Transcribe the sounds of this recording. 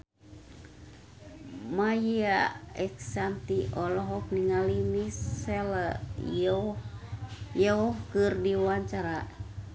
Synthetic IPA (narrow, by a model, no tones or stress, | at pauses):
majiaɛksant̪iʔɔlɔɦɔk̚niŋalinisɛla | jɛɔhkɨrdiwaɲt͡ʃaɾa